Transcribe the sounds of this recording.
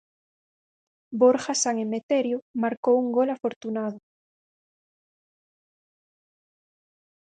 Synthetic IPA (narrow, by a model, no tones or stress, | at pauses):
boɾxasaŋemet̪eɾjomaɾkowuŋɡolafoɾt̪unaðʊ